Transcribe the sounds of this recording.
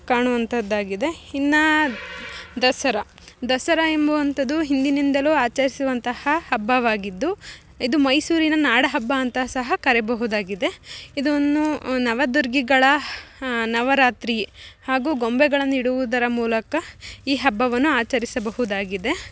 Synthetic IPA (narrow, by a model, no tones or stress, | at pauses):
kaːɳuʋɐnt̪ʰɐd̪ːaːɡid̪e̞inːɐ | d̪ɐsɐɾɐ | d̪ɐsɐɾɐe̞mbɐʋɐnt̪ɐd̪uɦind̪inind̪ɐluaːt͡ʃɐɾisuʋɐnt̪ɐhɐhɐbːɐʋaːɡid̪ːu | id̪umɐjsuːɾinɐnaːɽɐɦɐbːaːnt̪ɐsɐɦɐkɐɾɛbɐɦud̪aːɡid̪e̞id̪uonːunɐʋɐd̪uɾɡiɡɐɭɐ | nɐʋɐɾaːt̪ɾihaːɡuːɡo̞mbɛɡɐɭɐnːiɽuʋud̪ɐɾɐmuːlɐkɐiːɦɐbːɐʋɐnːuaːt͡ʃɐɾisɐbɐɦud̪aːɡid̪e̞